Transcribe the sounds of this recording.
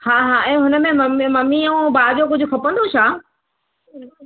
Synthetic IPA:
haːɦaːʔɛ̃ːɦʊnəmẽmɐmmɐmiɐũbaːd͡ʑokʊd͡ʑʱʊkʰɐpə̃nd̪oʃʰaː

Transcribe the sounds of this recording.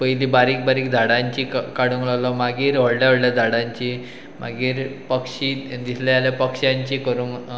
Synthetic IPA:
pəjlibaɾiːk̚baɾiːkd̪ʱaɽãɲt͡ɕikkaɽuŋlalɔmaɡiːɾʋəɽljaɦəɽljad̪ʱaɽãɲt͡ɕi | ma̰ɡiːɾpəkɕid̪isʰljaljapəkɕjãɲt͡ɕiːkəɾun

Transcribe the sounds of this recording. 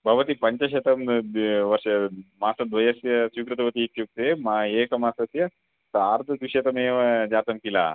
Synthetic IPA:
bʱɐʋɐt̪ipɐɲt͡ʃɐʃet̪ɐmʋɐɾʂɐmaːsɐd̪ʋɐjɐsjɐsukɾɐt̪ɐʋɐt̪iːt̪juk̚t̪eːmɐeːkɐmaːsɐsjɐ | saːɾd̪ʱɐd̪ʋiʃeːt̪ɐmeːʋɐd͡ʒaːt̪ɐmkila̰ː

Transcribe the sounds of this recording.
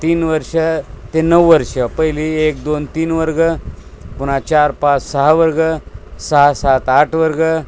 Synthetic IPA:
t̪iːnʋəɾʂət̪enəʋʋəɾʂəpəɦiliek̚d̪ont̪iːnʋəɾɡəpunat͡ɕaɾpat͡ssəɦaʋəɾɡəsəaɦasat̪aʈʰʋəɾɡə

